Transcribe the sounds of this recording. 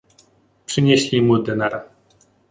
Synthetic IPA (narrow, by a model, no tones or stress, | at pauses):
pʂɘɲeɕlʲimud̪ɛnaɾa